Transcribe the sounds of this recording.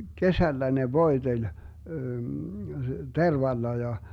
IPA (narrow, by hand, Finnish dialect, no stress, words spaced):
kesælːæ ne ʋoi̯telʲ terʋɑlːɑ jɑ